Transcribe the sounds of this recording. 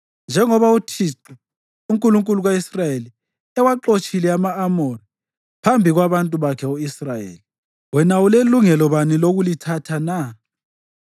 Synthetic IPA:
nd͡ʒʱɛŋɔβautʰiǁu | uŋkʼuluŋkʼuluɣaisrajeli | ɛwaǃot͡ʃʼilɛamaːmɔri | pʰambʱiɣwaβantʼuβakʰɛoisrajḛːli | wɛnauleluŋɛlɔβaniloɣulitʰatʰana

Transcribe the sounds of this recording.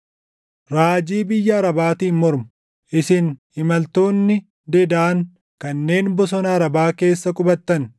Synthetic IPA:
ɾaːd͡ʒiːbɪjːɐːɾɐbaːt̪iːnmɔɾmʊ̥ | ʔɪsɪnhɪmɐlt̪o̞ːnːɪ | d̪ɛd̪aːŋ | kɐnːe̞ːnbɔs̬ɔnɐːɾɐbaːke̞ːsːɐkʼʊbɐt̪ːɐn

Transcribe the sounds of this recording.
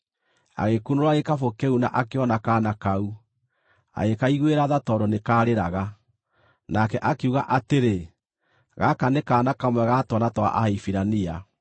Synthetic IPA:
a̰ɣekunoɾwaɣekafokeuna̰ʔakeɔnakaːnakau | a̰ɣekaiɣweɾaðatɔɾɔnekaːɾeɾaɣa | nakɛʔakeuɣaʔateɾe | ɣakanekaːnakamwɛɣatwɔnatwa̰ʔahifiɾania

